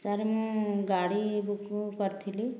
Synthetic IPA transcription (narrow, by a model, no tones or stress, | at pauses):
saɾimũɡaɽibukkəɾt̪ʰili